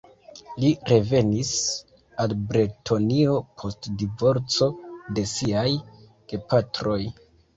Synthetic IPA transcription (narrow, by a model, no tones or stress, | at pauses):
liɾe̞ve̞nis | albɾetʰo̞nio̞pʰo̞stdivo̞ɾt͡so̞de̞siaj | ɡ̥e̞patɾo̞j